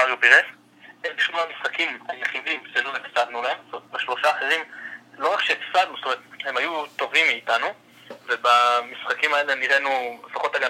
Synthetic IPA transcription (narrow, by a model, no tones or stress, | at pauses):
maʁjopiʁes | ebiʃmoamisχakimhajeχid̪imʃeloefsad̪nulahe̞mt̪omet̪̚beʃlo̞ʃaħazimlo̞ʁakʃefsad̪nust̪omeʁet̪he̞mhajut̪o̞vimːiːt̪anu | ve̞bamisχakimaeleniʁenulefaχo̞t̪aɡa